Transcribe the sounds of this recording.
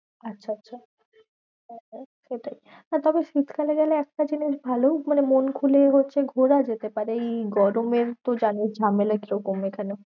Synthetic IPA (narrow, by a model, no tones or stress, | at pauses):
atːɕʰaatːɕʰa | ɦʃeʈaj | nat̪ɔbeʃit̪kʰaleɡɛleɛk̚ʈad͡ʑiniʃbʱalomanemonkʰuleɦotːɕʰeɡʱoɾad͡ʑet̪epaɾeejɡɔɾomeɾt̪od͡ʑanisd͡ʑʱamelakiɾɔkomekʰano